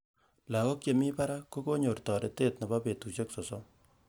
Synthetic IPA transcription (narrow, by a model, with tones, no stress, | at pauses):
la˨kɔ˦kje˨mi˦pa˦ɾa˦ko˦ko˦ɲo˨rtɔ˨ɾe˨te˦t̚ne˨ba˦pe˨tu˨ʃe˦kso˨sɔ˦m